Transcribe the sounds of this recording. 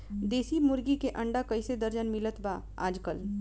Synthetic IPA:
d̪eːsimʊɾɡikeʔɐ̃ɳɖakɐised̪əɾd͡ʒənmɪlət̪ba | a̰ːd͡ʒkəl

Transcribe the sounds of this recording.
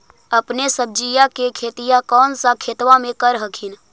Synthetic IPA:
əpnesəb̚d͡ʒijakekʰeːt̪ijakɔːnsakʰeːt̪ʋamẽkəɾɦəkʰin

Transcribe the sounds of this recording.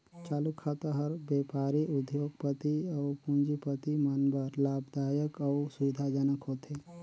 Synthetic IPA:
t͡ʃaːlukʰːat̪əɦəɾbeːpaːɾiʔʊd̪ʱjoːɡ̚pət̪iɔːpũnd͡ʒipət̪imənbʱəɾlaːbd̪aːjəkɔʊsʊʋɪd̪ʱad͡ʒənəkɦoːt̪ʰeː

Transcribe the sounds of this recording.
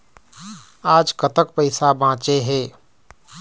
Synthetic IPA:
aːd͡ʒkət̪əkpəɪsabãːt͡ʃeɦeː

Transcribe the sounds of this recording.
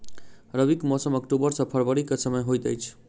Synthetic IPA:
ɾəʋikmɔsəməkʈubəɾsəpʰəɾʋəɾikət͡sʰəmɛɦojt̪ɛ̰jt͡ʃʰ

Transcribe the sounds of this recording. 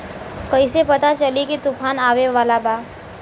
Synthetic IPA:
kɐisepɐt̪at͡ʃɐlikit̪ʊpʰaːnaːʋeʋaːlabaː

